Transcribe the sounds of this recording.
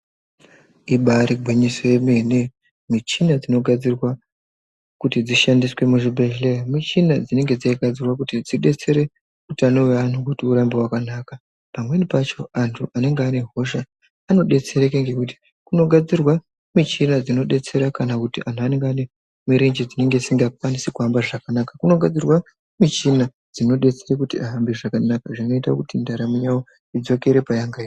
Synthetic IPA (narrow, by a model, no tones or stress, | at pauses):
iɓaɾiɡʱwiɲisojemene | mit͡ʃinad͡zino̞ɡʱad͡zirwa | kutid͡ziʃandiswe̞muʐibʱe̞ɦelejamit͡ʃinad͡zine̞ŋɡe̞d͡zaiɡʱad͡zirwakutid͡ziɗe̞t͡se̞ɾe̞ | utano̞wean̤ukutiuɾambewakanaka | pamwe̞nipat͡ʃo̞antʰuʔane̞ŋɡeaːne̞ɦo̞ʃaː | no̞ɗe̞t͡se̞ɾekeŋɡe̞kuti̥ | kuno̞ɡʱad͡zirwa | mit͡ʃinad͡zino̞ɗe̞t͡se̞ɾakanakutiʔantʰuane̞ŋɡeane̞ | miɾend͡ʒid͡zine̞ŋɡeisiŋɡakwanisekuambaʐakanakakuno̞ɡʱad͡zirwa | mit͡ʃina | d͡zino̞ɗe̞t͡seɾekutiaɦambiʐakanakaʐino̞itakutindaɾamijawo | id͡zo̞ke̞ɾe̞pajaŋɡai